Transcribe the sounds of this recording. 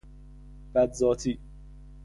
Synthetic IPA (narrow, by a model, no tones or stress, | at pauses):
b̥æd̪zɒːt̪ʰiː